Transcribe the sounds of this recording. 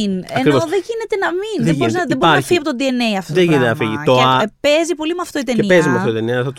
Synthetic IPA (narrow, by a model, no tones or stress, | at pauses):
nɐekɾivoðeʝine̞t̪e̞nɐminðeiɾiznðeboɾnɐfiʝiɐpot̪od̪ienejɐft̪oðeʝinet̪enɐfiʝit̪oeɐpezipo̞limɐft̪o̞it̪eneipezimeɐft̪oit̪eniɐɐθot̪